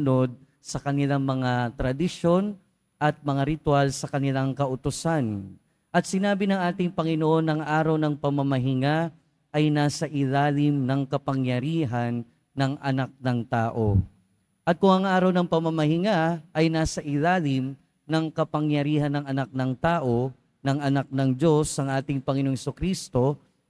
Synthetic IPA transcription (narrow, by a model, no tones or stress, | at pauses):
no̞d̪̚ | sɐkɐnɪlaŋmɐŋat̪ɾɐd̪ɪʃo̞n | ʔɐt̪̚mɐŋaɾɪt̪walsɐkɐnɪlaŋkɐʔʊt̪ʊsan | ʔɐt̪̚sɪnaːbɪnɐŋʔaːt̪ɪŋpɐŋɪnoʔo̞nːɐŋʔaːɾɐwnɐŋpɐmɐmɐɦɪŋa | ʔɐjnaːsɐʔɪlaːlɪmnɐŋkɐpɐŋjɐɾiːɦɐnː | ɐŋʔɐnak̚nɐŋt̪aːʔo̞̰ | ʔɐt̪̚kʊŋɐŋʔaːɾɐwnɐŋpɐmɐmɐhɪŋaʔɐjnaːsɐʔɪlaːlɪm | nɐŋkɐpɐŋjɐɾiːhɐnːɐŋɐnak̚nɐŋt̪aːʔo̞ | nɐŋʔɐnak̚nɐŋd͡ʒo̞sʔɐŋʔaːt̪ɪŋpɐŋɪnoŋhɛsʊkɾist̪o̞